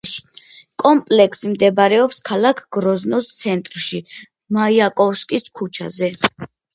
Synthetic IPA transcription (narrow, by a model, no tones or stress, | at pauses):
kʼɔmpʼlɛkʰsimd̪ɛbɾɛɔpskʰalakʰɡ̥ɾɔznɔst̪sʰɛnt̪ʼɾʃi | maiakʼɔfskʼiskʰut͡ʃʰa̰zɛ